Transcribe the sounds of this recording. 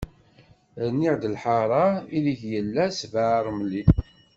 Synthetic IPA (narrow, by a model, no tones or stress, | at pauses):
ðənːiʕd̪əlħɑɾˤɑiliçjəlːæsvəʕɾˤmli